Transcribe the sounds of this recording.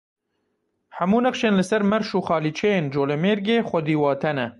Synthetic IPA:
hɛmuːnɐχʃeːnlɨsɛɾmɛɾʃuːxɑːliːt͡ʃʰɛjeːnd͡ʒoːlɛmeːɾɡeːxʷɐd̪iːwɑːt̪ʰɛnɛ

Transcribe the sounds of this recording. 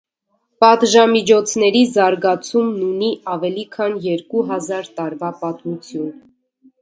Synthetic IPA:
pɑt̪ʒɑmit͡ʃʰɔt͡sʰnɛɾizɑɾɡɑt͡sʰumnuniɑvɛlikʰɑnjɛɾkuɦɑzɑɾt̪ɑɾvɑpɑt̪mut͡sʰjun

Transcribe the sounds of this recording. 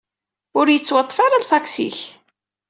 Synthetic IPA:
ʊɾjət͡sːwɑt̪ˤːfɑɾˤalfæksḭç

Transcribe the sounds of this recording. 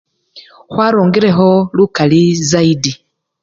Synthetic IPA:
hwaɾoːŋɡiɾeɦolukalizaidi

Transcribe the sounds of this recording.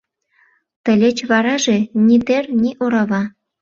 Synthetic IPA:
t̪ə̆lʲet͡ɕβɑɾɑʒenʲit̪ernʲiʔoɾɑβɑ

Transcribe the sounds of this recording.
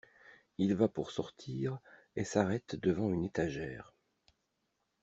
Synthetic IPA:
ilvapuʁsɔʁt̪ʰiːʁ | esaʁɛt̪d̪əvɑ̃ynet̪aʒɛːʁ

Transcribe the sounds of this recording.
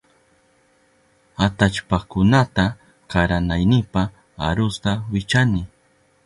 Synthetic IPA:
at̪at͡ʃpakʊnat̪a | kaɾanajnɪpa | a̰ɾʊst̪awɪt͡ʃanɪ

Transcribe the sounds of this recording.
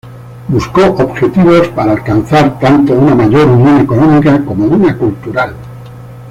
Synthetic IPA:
busko̞ʔobxe̞t̪iβ̞o̞spaɾaːlkan̟θaɾt̪ant̪o̞unamaʝo̞ɾunjõne̞ko̞nõmikako̞mounakult̪uɾal

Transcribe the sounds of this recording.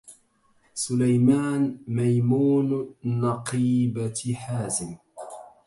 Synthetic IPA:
sʊlajmaːnmajmuːnnɑqiːbaħaːzɪm

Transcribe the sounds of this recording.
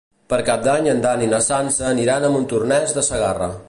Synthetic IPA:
pəɾkap̚d̪aɲənd̪aninəsansəːniɾanəmunt̪urnɛzðəsəɣarə

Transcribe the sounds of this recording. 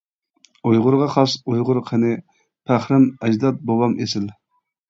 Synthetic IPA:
ojʁʊɾʁɑχɑsujʁʊɾqʰənɪ | pʰæχɾɪmɛd͡ʒd̪ɑt̪̚bowɑmʔesɪl

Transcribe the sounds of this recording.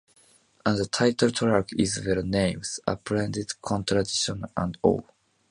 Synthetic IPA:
ʔãnðət̪ʰaɪt̪ʰəlt̪ʰɾakizvɛɹnẽɪ̃mz̥a̰pʰɾɛ̃nd̪ɪd̪kʰɔ̃nt̪ʰɾad̪iʃɔ̃nã̰ndo̰

